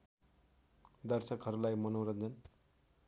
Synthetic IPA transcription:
d̪ʌrsʌkɦʌɾulajmʌnoɾʌnd͡zʌn

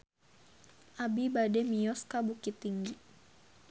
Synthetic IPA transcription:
ʔabibadɛmijɔskabukit̪ːiŋɡi

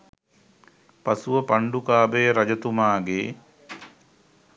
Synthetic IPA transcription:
pasuʋəpaɳɖukaːbəjəɾad͡ʒət̪umaːɡeː

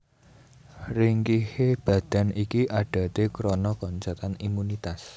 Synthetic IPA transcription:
riŋkiheb̥ä̤d̪̥a̤nikiʔaɖ̥a̤t̪ekɾɔnɔkɔɲt͡ʃat̪animunit̪as

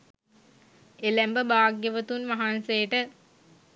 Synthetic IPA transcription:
elæmbəbaːɡjəʋət̪unmaɦansejəʈə

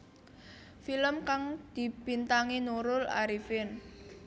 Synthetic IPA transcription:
filəmkaŋd̪̥i̤pint̪aŋinuɾʊla̰ɾifɪn

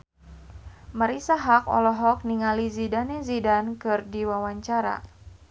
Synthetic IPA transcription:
maɾisaɦakɔ̰lɔɦɔk̚niŋalizidanɛzidankɨrdiwawaɲt͡ʃaɾa̰

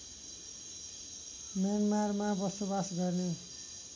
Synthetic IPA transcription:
mjanmarmabʌsobasɡʌrne

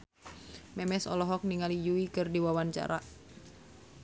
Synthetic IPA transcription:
mɛmɛsɔ̰lɔɦɔk̚niŋalijuikɨrdiwawaɲt͡ʃa̰ɾa

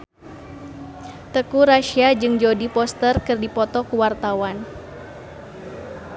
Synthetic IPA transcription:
t̪əkuɾaʃiad͡ʒɨŋd͡ʒodipɔst̪ərkɨrdipɔt̪ɔkuwart̪awan

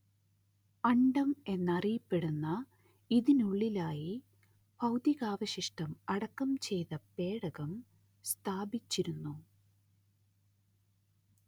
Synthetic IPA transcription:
ɐɳɖɐme̞nːɐrijɐpːe̞ɽunːɐ | iðinuɭːilaːji | b̥ʱɐwd̪iɣaːʋɐɕiʂʈɐmɐɽɐkːɐmt͡ɕe̞jt̪ɐpe̞ːɽɐɣɐm | st̪ʰaːbit͡ɕːiɾunːu

